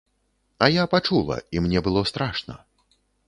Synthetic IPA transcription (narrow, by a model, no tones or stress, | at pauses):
ɐjapat͡ʂulˠɐ̰imnʲɛbɨlˠɔst̪ɾaʂnɐ̰